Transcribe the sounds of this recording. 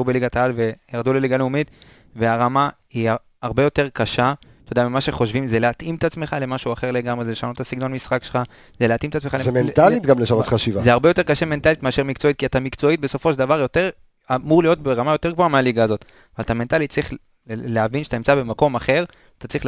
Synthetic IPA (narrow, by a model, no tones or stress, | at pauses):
ubeliɡat̪aalve̞jaʁd̪uleliɡaleumit̪ | veaʁama | ia | aʁbe̞jo̞t̪e̞ʁkaʃat̪od̪amimaʃeχo̞ʃvimzeleat̪imt̪at͡smeχale̞maʃuaχe̞ʁle̞ɡamʁezeleʃanotasiɡno̞nmisχakʃelχa | zeleat̪imet̪at͡ssmeχalezementalit̪ɡamleʃanotχaʃivazeaʁbejo̞t̪e̞ʁkaʃeme̞ntalit̪meaʃeʁmikt͡so̞it̚kiat̪amikt͡so̞it̪̚be̞so̞fo̞ʃeld̪avaʁjo̞t̪e̞ʁ | amuʁlijo̞t̪̚beʁamajo̞t̪e̞ʁɡvoamealiɡaːzo̞t̪ | avalat̪ame̞nt̪alit̪̚t͡sʁiχ | leavinʃeataimt͡sabe̞mako̞maχe̞ʁ | t̪at͡sʁiχl